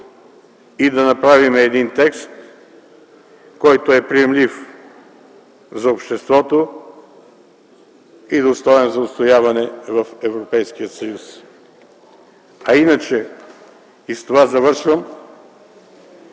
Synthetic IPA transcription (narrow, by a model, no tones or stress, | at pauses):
id̪ɐnɐpɾavimɛːd̪int̪ɛkst̪ | kɔjt̪oɛpɾijɛmlif | zɐopʃt̪ɛst̪vɔt̪o | id̪ost̪ɔɛnzɐot̪st̪ojavɐnɛvɐfɛvɾopɛjsk̟ijət̪sɐjus | ɐinət͡ʃɛ | ist̪ovazɐvɤɾʃvəm